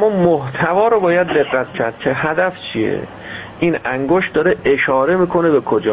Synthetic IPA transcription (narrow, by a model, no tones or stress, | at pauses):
mːɒːmoht̪ʰævɒːɾobɒːjæd̪ːe̞ɣːæt̪cʰæɾd̪̥cʰe̞hæd̪æft͡ʃʰiḛ | ʔiːnæŋɡoʃt̪d̪ɒːɾeʔeʃɒːɾe̞miːkʰo̞nebekʰod͡ʒɒː